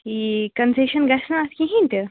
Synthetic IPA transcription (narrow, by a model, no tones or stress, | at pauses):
kikənseɕənɡasnaːskiɦĩnt̪e